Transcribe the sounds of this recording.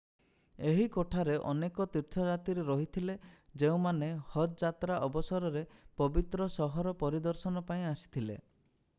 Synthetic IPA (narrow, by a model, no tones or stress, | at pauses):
eɦikoʈʰaɾeʔɔnekɔt̪iɾt̪ʰɔd͡ʒat̪iɾeɾɔɦit̪ʰiled͡ʒeũmanehɔt̪d͡ʒat̪ɾaʔɔbɔsɔɾɔɾepɔbit̪ɾɔsɔɦɔɾɔpɔɾid̪ɔɾsɔnɔpaĩasi̥t̪ʰilḛ